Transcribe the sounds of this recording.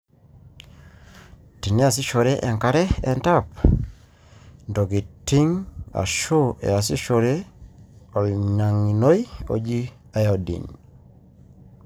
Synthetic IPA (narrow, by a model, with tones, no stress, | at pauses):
ti˨ne˦a˨s̬i˦ʃo˨ɾe˦ʔɛ˨ŋka˦ɾɛ˦ɛ˦nta˦p | ndo˨ɡi˨ti˦ŋa̰˨ʃo˦ɛ̰˨a˨si˦ʃoɾe˦ | ɔ˨lɲa˨ŋi˨no˦jo̰˨d͡ʒi˦ | a˨jɔ˨dḭ˨n